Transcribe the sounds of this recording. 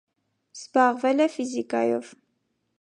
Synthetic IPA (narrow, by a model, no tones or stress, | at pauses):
z̥bɑʁvɛlɛfizikɑjɔv